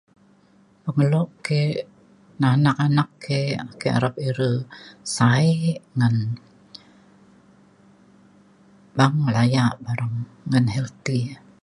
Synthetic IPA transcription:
pəŋəlɔʔke | nanakanakːeakea̰ɾap̚iɾəsaiʔŋən | baŋlajaʔbaɾaŋː | anhɛlt̪i

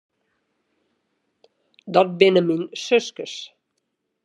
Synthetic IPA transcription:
dɔt̚bɪnəminsøskəs

